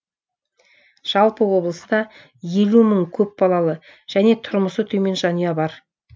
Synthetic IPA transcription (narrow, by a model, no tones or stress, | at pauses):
ʒ̥ɑlˠpəwo̞blˠəsəd̪ɑ | je̞luməŋkʲʰɵp̚bɑlˠɑlˠə | ʒ̥æne̞t̪ʰʊɾməsət̪ʰɵme̞nʒɑnijɑbɑɾ